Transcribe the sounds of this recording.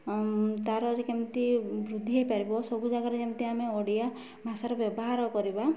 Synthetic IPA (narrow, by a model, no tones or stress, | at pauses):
t̪aɾɔɾikemt̪ibɾud̪ʱːiɦejpaɾibɔsɔbud͡ʒaɡaɾɔkemt̪iameoɽija | mʱasaɾɔbjɔbɔɦaɾɔkɔɾiba